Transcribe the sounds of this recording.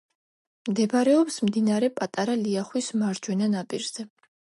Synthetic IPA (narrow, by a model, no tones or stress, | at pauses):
md̪ɛbaɾɛɔpsmd̪inaɾɛpʼat̪ʼaɾaliaχwismaɾd͡ʒwɛnanapʼiɾz̥ɛ